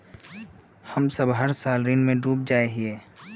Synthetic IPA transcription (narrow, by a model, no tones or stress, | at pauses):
həmsəbɦəɾsaːlɾiːnmẽɖuːp̚d͡ʒaːeɦieː